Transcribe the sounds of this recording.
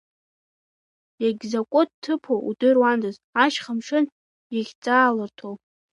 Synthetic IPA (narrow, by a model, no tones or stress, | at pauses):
jaɡʲzakʷʼod̚tʰːɨpʰoʔudɨrwandɨz | aʃχəmʂɨn | jaɡʲt͡sʼaːlɨrtʰow